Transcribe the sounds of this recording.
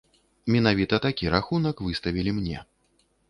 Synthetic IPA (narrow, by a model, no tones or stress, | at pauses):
mʲinavʲit̪ɐt̪akʲiɾaxunɐkvɨst̪ɐvʲilʲimnʲɛ